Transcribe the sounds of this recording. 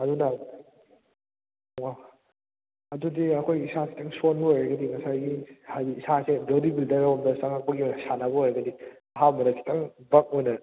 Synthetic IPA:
ɐduna | wa | ɐdudiɐkʰojisasi̥tɐŋsonbɐojɾɐɡɐdimɐsajɡihaiisasebewdibildɐɾawmdɐsaŋak̚pɐɡiojnɐsanɐβɐojɾɐɡɐdi | ɐɦamɐnɐsʰi̥tʰɐŋbɐk̚ojnɐ

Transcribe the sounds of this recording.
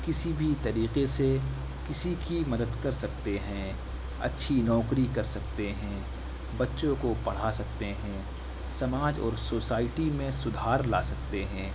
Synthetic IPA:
kɪsibʱit̪ɐɾiːqese | kɪsikimɐd̪əd̪kɐɾsɐkt̪eɦɛ̃ | ɐ̰tːʃʰinɔːkɾikɐɾsɐkt̪eɦɛ̃ | bɐtːʃõkopɐɽ̤asɐk̚t̪eɦɛ̃ː | sɐmaːd͡ʒɔ̰ːɾsoːsaːɪʈimẽsʊd̪ʱaːɾlaːsɐk̚t̪eɦɛ̃ː

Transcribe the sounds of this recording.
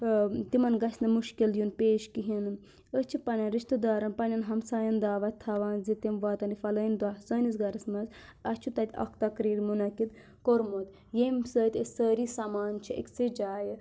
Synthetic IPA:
t̪imɐnɡɐsʲnɨmuʃkiljunpeːʃkiɦin | əst͡ʃʰipɐnʲɐnɾiʃt̪ɨd̪aːɾɐnpɐnʲɐnɦɐmsaːjɐnd̪aːʋɐt̪ʰɐʋaːnzit̪imʋaːt̪ɐnifɐlɐːnʲd̪waːsəːnʲisɡɐɾɐsmɐz | ɐst͡ʃʰut̪ɐt̪ʲɐ̰kʰt̪ɐkɾiːɾmunɐkit̪ | koɾmot̪ | jemsəːt̪ʲesəːɾisamaːnt͡ʃʰiḛkʲsid͡ʒaːj

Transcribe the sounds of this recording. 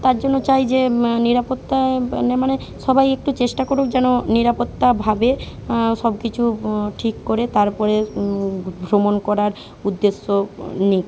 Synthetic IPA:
t̪aɾd͡ʑonːot͡ɕajd͡ʑeniɾapot̪ːanemaneʃɔbajek̚ʈut͡ɕeʃʈakoɾukd͡ʑɛnoniɾapot̪ːabʱabeʃɔbkit͡ɕʰuʈʰikːoɾet̪aɾpɔɾe | ɡʱɾomonkɔɾaɾ | ud̪ːesːonik

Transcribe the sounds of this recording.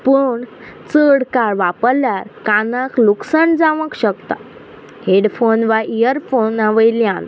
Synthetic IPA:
puɳ | t͡səɽkaɭʋapəljaɾkanakluksəɳd͡zaʋəkɕəkt̪a̰ | ɦeɽfonʋaʔijəɾfonaʋəjljãn

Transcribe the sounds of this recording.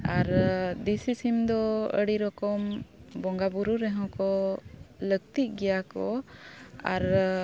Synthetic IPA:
aɾd̪isisimd̪ɔə̰ɽiɾɔkɔmbɔŋɡabuɾuɾɛɦɔ̃kɔ | ləɡt̪iʔ̚ɡɛjakɔ | a̰ɾ

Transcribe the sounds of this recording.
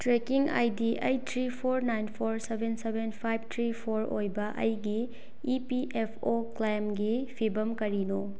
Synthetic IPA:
tɾekiŋa̰jdiʔɐjtʰɾipʰoɾnajnpʰoɾsebʱensebʱenpʰajb̚ʱtʰɾipʰoɾojbɐʔɐ̰jɡiː | piʔepʰoklajmɡipʰibɐmkɐɾino

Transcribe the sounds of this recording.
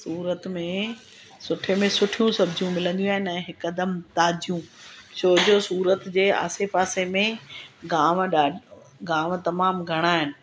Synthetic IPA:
suːɾət̪mẽ | sʊʈʰemẽsʊʈʰijũsɐbʱd͡ʑʱijũmɪlə̃nd̪ijũaːɦɪnɛ̃ːɦɪkɐd̪əmt̪aːd͡ʑijũʃoːd͡ʑosuːɾət̪d͡ʑeːa̰ːsepaːsemẽɡaːmɗaːɖ | ɡaːʋt̪ɐmaːmɡʱɐɽ̃aːɦɪnɪ̆

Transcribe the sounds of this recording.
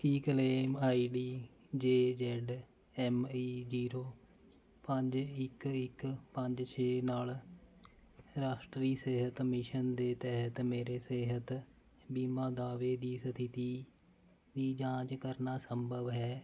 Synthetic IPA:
kiːkəleːmaːiːɖiː | d͡ʒeːd͡ʒɛɖ | ɛːmiːd͡ʒiːɾoː | pəɲd͡ʒɪkɪkpəɲd͡ʒt͡ʃʰeːnaːl | ɾaːʃʈɾiːseːɦət̪mɪʃənd̪eːt̪ɛɦət̪meːɾeːseːɦət̪ | biːmãːd̪aːʋeːd̪iːsət̪ʰɪt̪iː | d̪iːd͡ʒãːt͡ʃkəɾnaːsəmbəʋɦɛː

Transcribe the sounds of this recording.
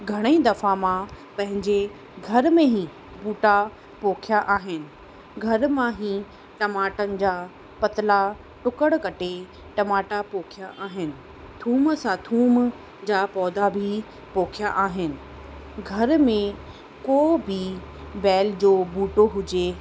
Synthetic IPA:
ɡʱɐɽ̃əid̪ɐfãmã | pɐ̃ɦɪ̃ɲd͡ʑe | ɡʱɐɾmẽɦĩ | buːʈa | poːkʰjaʔaːɦɪnɪ̆ | ɡʱɐɾmãɦĩː | ʈɐmaːʈənɪ̆d͡ʑaː | pɐt̪ɪla | ʈʊkəɽ̃kɐʈʰe | ʈɐmaːʈapoːkʰijaʔaːɦɪnɪ̆ | t̪ʰuːmsãt̪ʰuːm | d͡ʑaːpɔːd̪abʱi | poːkʰjaʔaːɦɪnɪ̆ | ɡʱɐɾmẽ | koːbʱibɛːld͡ʑoːbuːʈoɦʊd͡ʑe

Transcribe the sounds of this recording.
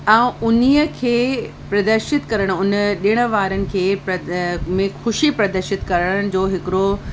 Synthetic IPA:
ãːũʊniːəkʰeː | pɾɐd̪əɾʃɪt̪kɐɾəɽ̃ʊnɗɪɽ̃ə̆ʋaːɾənɪ̆kʰeːpɐmẽxʊʃipɾɐd̪əɾʃɪt̪kɐɾəɽəɽ̃ɪ̆d͡ʑoːɦɪkɪɾo

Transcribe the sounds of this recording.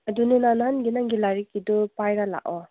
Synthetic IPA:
ɐduninanaɦanɡinaŋɡilaɾikːidɔpajɾala̰ʔɔ

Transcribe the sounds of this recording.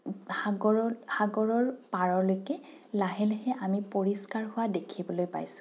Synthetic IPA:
haɡɔhaɡɔɹɔɹpaɹɔlojkɛ | laɦɛlɛhɛʔamipoɹiskaɹɦʊwadekʰibɔlojpa̰jsʊ̥

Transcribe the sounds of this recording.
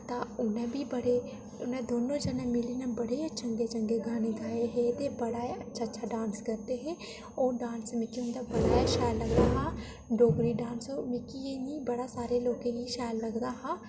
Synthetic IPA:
t̪aːʊnɛ̃bʱiːbəɽeː | ʊnɛ̃ːd̪oːnõːd͡ʒɛnɛ̃mɪliːnɛbəɽet͡ʃəŋɡet͡ʃəŋɡeːɡaːneːɡaːeɦɛːt̪ebəɽaːeətːʃʰaːtːʃʰaːɖãːnskəɾt̪eɦɛː | oːɖãːnsmẽkiʊ̃nd̪aːbəɽaːeʃɛːlːəɡd̪aːɦaː | ɖoːɡɾiːɖãːnsoːmẽkijeːnĩːbəɽaːsaːɾeloːkẽɦiʃaːlːəɡd̪aːɦaː

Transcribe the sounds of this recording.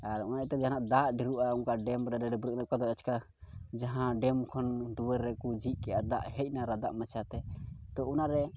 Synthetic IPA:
aɾunaʔɛt̪ɛd͡ʒaɦanaʔd̪aʔɖiɾuʔauŋkaɖɛmɾɛɾɛɖɛbuɾək̚nakad̪ɔɛt͡ʃka | d͡ʒaɦãɖɛmkʰɔnd̪uwɛɾːɛkud͡ʒiʔ̚kɛʔad̪aʔhɛc̚ˀnaɾad̪a̰ʔmat͡ʃʰat̪ɛt̪ɔunaɾɛ

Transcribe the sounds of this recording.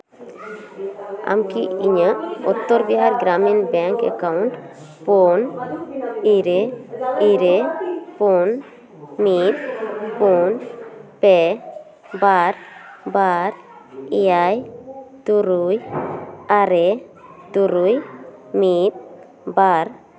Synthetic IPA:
a̰mkiiɲəɔt̪ːɔɾbiɦaɾɡɾamenbɛŋkə̰kawnʈ | pon | iɾeiɾepon | mit̪ponpe | baɾbaɾ | iajt̪uɾuj | aɾet̪uɾujmit̪̚ | baɾ

